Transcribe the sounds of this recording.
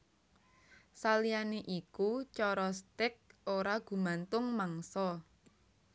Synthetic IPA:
salijaneʔikut͡ʃɔɾɔst̪ɪk̚oɾaɡ̥ṳmant̪ʊŋmaŋsɔ

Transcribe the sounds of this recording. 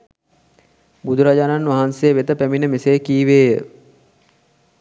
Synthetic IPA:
bud̪ʱuɾad͡ʒaːnanːʋaɦansejəʋet̪əpæminəmesekiːʋeːjə

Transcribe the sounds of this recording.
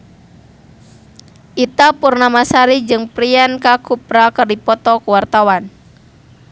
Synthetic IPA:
ʔit̪apurnamasaɾid͡ʒɨŋpɾiankakupɾakərdipɔt̪ɔkəwart̪awan

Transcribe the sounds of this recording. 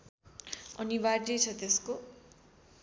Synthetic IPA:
ʌnibardejt͡sʰʌt̪esko

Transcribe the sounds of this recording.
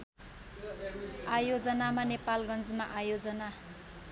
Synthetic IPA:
ajod͡zʌnamanepalɡʌnd͡zmaʔajod͡zʌna

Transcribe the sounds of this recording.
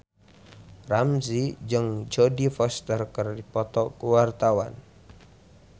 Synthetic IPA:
ramsid͡ʒɨŋd͡ʒodifɔst̪ərkərdipɔt̪ɔkuwart̪awa̰n

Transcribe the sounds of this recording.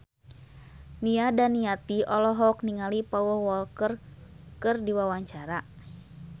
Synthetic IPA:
niadaniat̪iɔlɔɦɔkniŋalipɔwɔwɔlkərkɨrdiwawaɲt͡ʃaɾa

